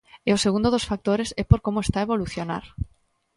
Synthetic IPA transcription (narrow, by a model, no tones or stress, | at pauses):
eoseɣũnd̪oðosfak̚t̪oɾesɛpoɾkomoest̪aeβoluθjona̰ɾ